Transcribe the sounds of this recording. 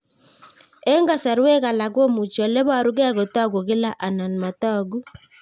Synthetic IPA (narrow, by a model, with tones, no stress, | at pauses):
e˦ŋɡa˦˨sa˨ɾe˦ka˨la˨ɡo˦mu˨t͡ʃi˨ɔ˨le˦βa˦˨ɾu˦ɡɛ˦ɣo˨tɔ˦ɡo˨ɣe˦la˦ʔa˨na˨n˨ma˨tɔ˦˨ɡu˦